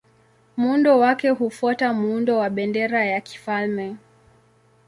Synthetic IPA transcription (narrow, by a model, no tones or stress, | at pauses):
muundɔwakɛɦufwatamuundɔwaɓɛndɛɾajaki̥falmɛ